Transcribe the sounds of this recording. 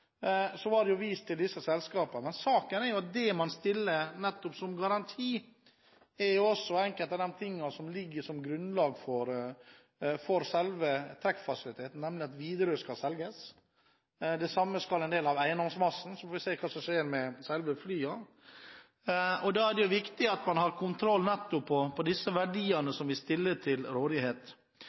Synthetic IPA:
sɔʋɑɖɛjʊʋiːst̪ʰɪld̪ɪsːəsɛlskɑːpɑmɛnsɑːkənɛɾjʊɑt̪̚d̪ɛmɑnst̪ɪlːənɛt̪ːɔpsɔmɡɑɾɑnt̪ʰiː | ɛɾjʊɔsːɔɛŋkəlt̪ɑd̪ɛmt̪ʰɪŋːɑsɔmlɪɡːəʂɔmɡɾʉnlɑːɡfɔɾ | fɔɾsɛlʋət̪ʰɾɛkfɑsɪlɪt̪ʰeːt̪n̩nɛmlɪɑt̪ʋiːd̪əɾəskɑsɛlɡəs | d̪ɛsɑmːəskɑlɛnd̪eːlɑʋæɪənd̪ɔŋsmɑsn̩sɔfoːʋɪseːkʰɑːsɔmʂeːɾmɛsɛlʋəflyːɑ | ɔd̪ɑːæɖɛjʊʋɪkt̪ɪɑt̪mɑnɦɑɾkʰʊnt̪ʰɾɔlːnɛt̪ːɔpʰːɔpʰɔd̪ɪsːəʋæɖiːənəsɔmʋɪst̪ɪlːət̪ʰɪlɾoːd̪ɪheːt̪

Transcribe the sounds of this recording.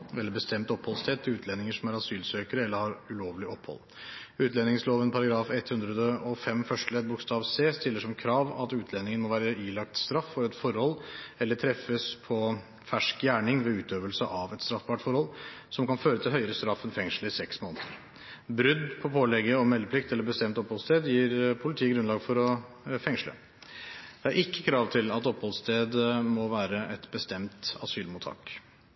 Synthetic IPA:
ɛlːəɾbəst̪ɛmt̪ɔpːhɔlst̪ʰɛt̪ʰːɪʉːt̪ʰlɛnɪŋəʂɔmæɾɑsyːlsøːkəɾəɛlːəɾhɑɾʉloːʋlɪʔɔpʰːhɔ̰l | ʉːt̪lɛnɪŋsloːʋənpʰɑɾɑɡɾɑːfɛt̪hʉnd̪ɾəd̪əɔfɛmfœʂʈlɛd̪̚bʊkst̪ɑːʋseːst̪ɪlːəʂɔmkʰɾɑːʋɑ̰t̪ʉːt̪ʰlɛnɪŋənmɔʋæːɾəʔiːlɑk̚t̪st̪ɾɑfːɔɾɛt̪fɔɾhɔlːɛlːəʈʰɾɛfːəspʰɔ | fæʂkjæːɳɪŋʋɛʉːt̪øːʋəlsəʔɑʋɛt̪st̪ɾɑfbɑʈfɔɾhɔlsɔmkɑnføːɾət̪ʰɪɦœʏəɾəst̪ɾɑfːənfɛŋʂləɪsɛksmoːnət̪ʰəɾ | bɾʏd̪pʰɔpʰoːlɛɡːəɔmɛlːəpʰlɪkt̪ɛlːəbəst̪ɛmt̪ɔphɔlst̪eːd̪jiːɾpʰʊlɪt̪ʰiːəɡɾʉnlɑːɡfɔɾɔ | fɛŋʂlə̰ | d̪ɛæɾʔɪkːəkʰɾɑːʋt̪ʰɪlɑt̪ɔpːhɔlst̪ʰeːd̪mɔʋæːɾəʔɛt̪bəst̪ɛmt̪ɑ̰syːlmʊt̪ʰːɑ̰ːk

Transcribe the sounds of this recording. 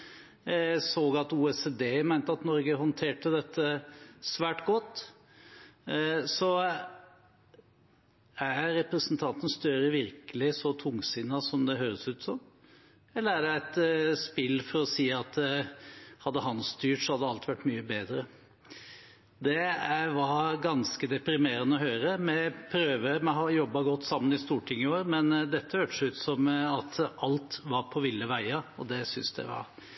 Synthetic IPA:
soːɡɑt̪uːɛseːd̪eːmæɪnt̪əɑt̪nɔɾɡəɦɔnt̪ʰeːʈəd̪ɛt̪ʰːəsʋæːʈɡɔt̪ː | sɔ | æɾɾɛpɾəsənt̪ʰɑnt̪ən̩st̪œɾəʋɪɾkəlɪsɔt̪ʰʊŋːsɪnːɑsɔmd̪ɛɦøːɾəsʉːt̪sɔm | ɛlːəɾæɖɛæɪt̪spɪlːfɔɾɔsiːɑt̪ | hɑd̪ːəɦɑnst̪yːʈsɔhɑd̪ːəɑlt̪ʋæʈːmyːəbeːd̪ɾə | d̪ɛæʋɑɾɡɑnskəd̪ɛpɾɪmeːɾənəɔɦøːɾəmɛpʰɾøːʋəmɛɦɑjɔbːɑɡɔt̪ːsɑmːənɪst̪uːʈʰɪŋːɪoːɾmɛnd̪ɛt̪ːəhøːʈə̥ʂʉːt̪sɔmɑt̪ʰɑlt̪ʋɑɾpʰɔʋɪlːəʋæɪɑɔd̪ɛsʏnsd̪ɛ̰ʋɑ̰ɾ

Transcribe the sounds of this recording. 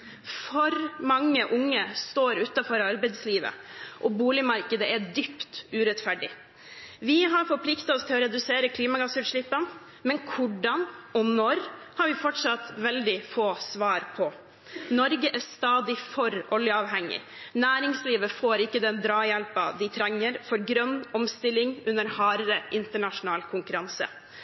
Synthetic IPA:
fɔɾmɑŋːəʔʊŋːəst̪oːɾʉːt̪ɑfɔɾɑɾbɛɪd̪sliːʋə̰ʔɔbuːlɪmɑɾkəd̪əʔæd̪ʏpt̪ʉːɾɛt̪fæɖɪ̰ | ʋɪɦɑɾfɔɾpʰlɪkt̪ɑɔst̪ʰɪlɔɾɛd̪ʉseːɾəkʰliːmɑɡɑsʉɾʂlɪpːən | mɛnkʰʊɖɑnɔnɔɾ | hɑɾʋɪfɔʈʂɑt̪ʋɛld̪ɪfoːsʋɑːɾpʰɔ | nɔɾɡəʔæst̪ɑːd̪ɪfɔɾʔɔljəɑːʋɦɛŋːɪ̰ | næːɾɪŋsliːʋəfoːɾɪkːəd̪ɛnd̪ɾɑːjɛlpɑd̪ɪt̪ʰɾɛŋːəɾfɔɾɡɾœnːɔmst̪ɪlːɪŋʉnːəɾhɑːɾəɾəʔɪnt̪əɳɑʂʊnɑːlkʰʊŋkʉɾɑnsə̰

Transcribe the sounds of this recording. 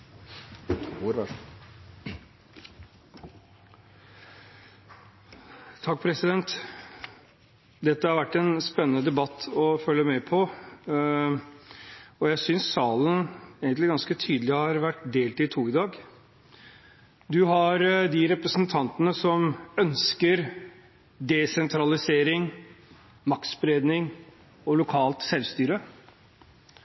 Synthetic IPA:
ɾ | t̪ʰɑk̚ːpʰɾɛsɪd̪ɛnt̪ | d̪ɛt̪ːəhɑɾʋæʈːɛnspɛnːənəd̪ɛbɑt̪ːɔfœlːəmɛpʰɔ | ɔjæɪsʏnsːɑːləneːɡənlɪɡɑnskət̪ʰyːd̪l̩ɪhɑɾʋæʈːd̪eːlt̪ɪt̪ʰuːɪd̪ɑːɡ | d̪ʉɦɑɾd̪ɪɾɛpɾəsnt̪ʰɑnt̪ənəsɔmœnskəɾ | d̪ɛsɛnt̪ʰɾɑlɪseːɾɪŋ | mɑkt̪sbɾeːd̪nɪŋ | ɔlʊkʰɑːlt̪sɛlʋst̪yːɾə

